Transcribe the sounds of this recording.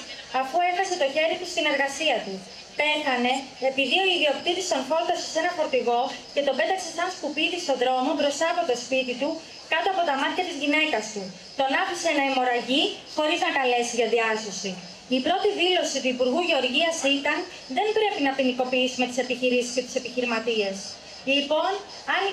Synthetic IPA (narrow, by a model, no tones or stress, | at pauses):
ɐfue̞xɐse̞t̪o̞çe̞ɾit̪ust̪ine̞ɾɣɐsiɐt̪u | pe̞xɐne̞epiðio̞iðio̞p̚t̪it̪ist̪o̞nfo̞lt̪osese̞nɐfo̞ɾt̪iɣo̞ce̞t̪o̞be̞t̪ɐkse̞sɐnskupiðiso̞ðɾo̞mobɾo̞st̪ɐːpo̞t̪o̞spit̪it̪u | kɐt̪o̞ɐpo̞t̪ɐmɐt̪çɐt̪izʝine̞kɐst̪u | t̪o̞nɐfiseenɐimo̞ɾɐʝi | xo̞ɾiznɐkɐle̞sizʝɐðiɐso̞si | ipɾo̞t̪iðilo̞sit̪uipuɾɣuʝe̞o̞ɾʝiɐsit̪ɐn | ðe̞mbɾe̞pinɐpiniko̞piisume̞t̪i̥se̞piçiɾisi̥sce̞t̪i̥se̞piçiɾimɐt̪ie̞s | lipo̞n | ɐn